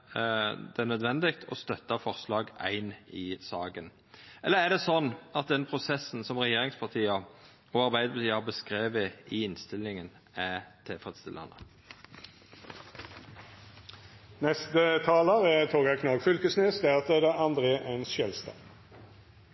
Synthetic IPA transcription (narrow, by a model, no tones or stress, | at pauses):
d̪ɛnœd̪ʋɛnd̪ɪkt̪ʰɔ̰st̪œt̪ːɑfɔʁslɑːɡæ̰ɪnɪsɑːɡən | ɛlːəʁæd̪ɛsɔnːɑt̪̚d̪ɛnpʰʁʊsɛsn̩sɔmʁɛjeːɾɪŋspʰɑʁt̪ʰiːɑ | ɔɑɾbæɪd̪əpʰɑt̪iːɑɑbəskʁeːʋəɪɪnst̪ɪlːɪŋən | æt̪ʰɪlfʁɛd̪st̪ɪlːɑ̰nə̰ | nɛst̪ət̪ʰɑːləʁət̪ʰoːɡɑkʰnɑːɡfʏlkəsnesd̪æʁt̪ɛd̪əɑnd̪ʁeːʔɛnsʃjœlst̪ɑ̰ː